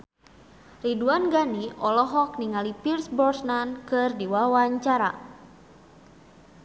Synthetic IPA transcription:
riduanɡaniʔɔlɔɦɔk̚niŋalipirsbɔrsnankɨrdiwawaɲt͡ʃaɾa̰

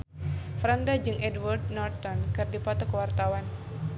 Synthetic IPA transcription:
fɾandad͡ʒɨŋʔɛdward̚nɔrt̪ɔnkɨrdipɔt̪ɔkəwart̪awan

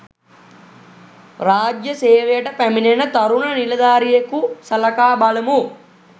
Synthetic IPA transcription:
raːd͡ʒjəseːʋejəʈəpæminenət̪aɾunɐnilɐd̪aːɾijekusɐlɐkaːbaləmu

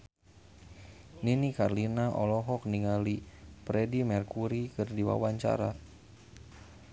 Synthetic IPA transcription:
ninikarlinaʔɔlɔɦɔk̚niŋalipɾɛdimɛrkuɾikɨrdiwa̰waɲt͡ʃa̰ɾa

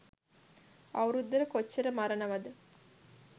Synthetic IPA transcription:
ɐwɾud̪ːəɾəkot͡ʃːɐɾəmɐɾənɐʋɐd̪ə

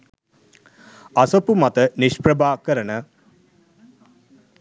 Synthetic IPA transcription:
ɐsopumat̪əniʃpɾəbaːkəɾənə

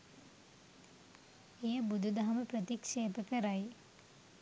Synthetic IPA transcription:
ejəbud̪ʱud̪ɐɦɐməpɾɐt̪ikʂeːpəkəɾaj

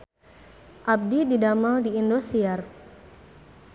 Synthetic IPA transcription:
ʔab̚dididamaldiindosiar

